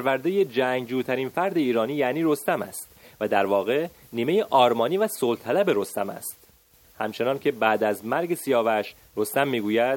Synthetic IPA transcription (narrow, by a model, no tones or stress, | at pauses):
pʰæɾvæɾd̪eje̞d͡ʒæːŋɡd͡ʒuːt̪ʰæɾiːnfæɾd̪e̞iːɾɒːniːjæniːɾo̞st̪æmæ̰st̪væd̪æɾvɒːɣe̞ | niːme̞jeʔɒːɾmɒːniːvæsolt̪ʰælæbe̞ɾo̞st̪æmæ̰st̪ | hæ̰mt͡ʃʰe̞nɒːncʰe̞bæːd̪æzmæɾɟe̞sijɒːvæʃ | ɾo̞st̪æmːiːɡuːjæd̪̥̚